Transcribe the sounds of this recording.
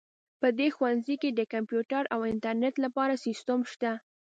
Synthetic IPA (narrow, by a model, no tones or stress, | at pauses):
pəd̪exwanziked̪əkampjuʈaɾawɪnt̪aɾneʈlapɑɾasist̪əmʃt̪a